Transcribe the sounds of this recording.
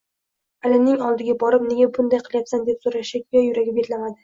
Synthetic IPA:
alɪmnɪŋɒlˠd̪ɪɡʲabɒɾɪpne̞ɡʲabʊnd̪ajqʰɨlˠjapsand̪e̞psoɾaʃɪkʲjɒjʊɾaɡʲɪbeɾlamad̪ɪ

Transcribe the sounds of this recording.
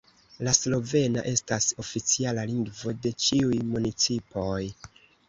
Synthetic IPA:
laslo̞ve̞na̰ʔe̞staso̞fit͡sialaliŋɡvo̞de̞t͡ʃiujmunit͡sipo̞j

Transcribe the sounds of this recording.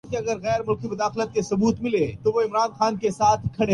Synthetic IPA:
keɐɡəɾɣɛːɾmʊlkimʊd̪aːxlət̪̚kesɐbuːt̪mɪlet̪oʋoɪmɾaːnxaːnkesaːt̪ʰkʰɐɽe

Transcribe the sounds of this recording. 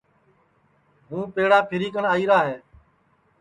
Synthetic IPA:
ɦũːpeːɽaːpʰɪɾiːkəɳaːiːɾaːɦeː

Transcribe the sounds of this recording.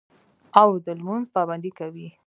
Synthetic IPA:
awd̪əlmunzpɑband̪ikawi

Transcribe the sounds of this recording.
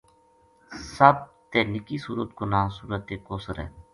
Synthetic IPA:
səb̚t̪eːnɪkiːsuːɾət̪ɡonaːsuːɾət̪eːkoːsəɾɛ̰ː

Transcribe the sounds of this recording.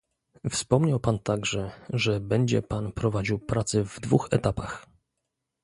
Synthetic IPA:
fspɔmɲawpant̪aɡʐɛʐɛbɛɲd͡ʑɛpanpɾɔvad͡ʑiwpɾat̪sɛvd̪vuxɛt̪apax

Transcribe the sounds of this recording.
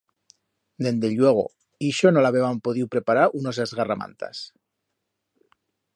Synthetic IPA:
d̪e̞nd̪eʎwe̞ɣ̞o̞̰ | iʃonolaβeβampoðiwpɾe̞paɾaɾunozezɣarama̰nt̪a̰s

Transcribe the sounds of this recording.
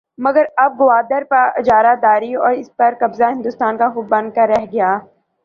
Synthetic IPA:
mɐɡəɾɐb̚ɡʊʋaːd̪əɾpɐɾd͡ʒaːɾad̪aːɾiɔːɾɪspɐɾkɐbzaɦɪ̃nd̪uːst̪aːnkaxʊb̚bɐ̃nd̪̚kɐɾːɛɦɡɪjaː

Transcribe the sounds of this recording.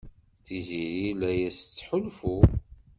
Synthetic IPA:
θiziɾilæjæsət͡sːħʊlfu

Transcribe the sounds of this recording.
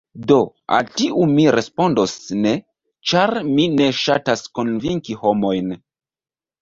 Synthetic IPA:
do̞ | a̰ltiʔumiɾe̞spo̞ndosne̞ | t͡ʃaɾmine̞ʃatasko̞nviŋkiho̞mo̞jn

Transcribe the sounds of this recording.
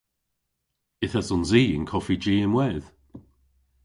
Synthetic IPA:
ɪθəsɔnziːɪ̰nkʰɔfid͡ʒiːənwɛð̥

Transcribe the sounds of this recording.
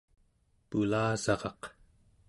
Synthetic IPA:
pulaːzɑʁɑq

